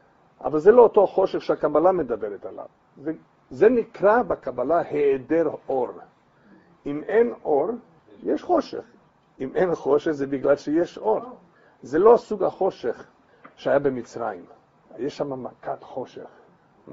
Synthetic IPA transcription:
ʔa̰valzelo̞oto̞aχo̞ʃeχʃeakabalamed̪abeʁet̪ala̰v | ze | zenikʁabakabalaheedeʁʔoɾ | imenʔo̞ɾ | jeʃχo̞ʃḛχ | imenχo̞ʃeχzebiɡlalʃejeʃoʁ | zelo̞asuɡaχo̞ʃeχ | ʃeajabemit͡sʁajim | jeʃʃamamakat̪χo̞ʃḛχ

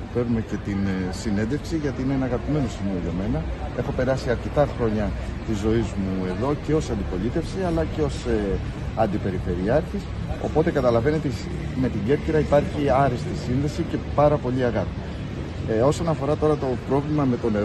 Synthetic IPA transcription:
fe̞ɾnume̞ce̞t̪insine̞nd̪e̞fksiʝɐt̪iineenɐɣɐpime̞no̞simio̞ʝɐme̞nɐe̞xo̞pe̞ɾɐsiɐɾce̞t̪ɐxɾo̞ɲɐt̪izːo̞izmue̞ðo̞ce̞o̞sɐnd̪ipo̞lit̪e̞fsiɐlɐce̞o̞s | ɐnd̪ipe̞ɾife̞ɾiɐɾçis | o̞̰po̞t̪e̞kɐt̪ɐlɐve̞net̪e | me̞t̪iɲɟe̞pciɾɐipɐɾçiɐɾist̪isinðe̞sice̞pɐɾɐpo̞ʎiɐɣɐp̪i | o̞so̞nɐfo̞ɾɐt̪o̞ɾɐt̪o̞pɾo̞vlimɐme̞t̪o̞ne

